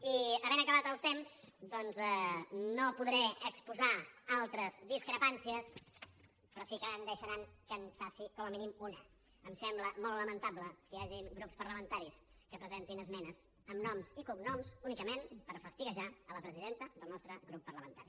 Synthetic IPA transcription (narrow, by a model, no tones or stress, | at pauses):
iəβɛnəkəβat̪əlˠt̪emzd̪ɔnzɛnopuðɾɛəkspuzaalˠt̪ɾəzd̪iskɾəpansiəs | pɾɔsikəənd̪əʃəɾaŋkənfasikɔməminimunəː | msɛmbləmɔlˠtləmənt̪abləkəjaʒiŋɡɾupspəɾləmənt̪aɾis | kəpɾəzɛnt̪inəzmɛnəs | əmnɔmsikuknɔmsunikəmenpəɾfəst̪iɣəʒaələpɾəziðent̪əd̪əlˠnɔst̪ɾəɡɾupːərləmənt̪aɾi